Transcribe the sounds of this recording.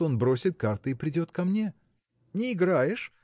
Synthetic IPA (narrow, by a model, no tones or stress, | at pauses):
o̞nbɾo̞sʲɪt̪̚kart̪ɨɪpɾʲɪdʲo̞t̪kɐmnʲe̞ | nʲɪːɡɾajɪʂ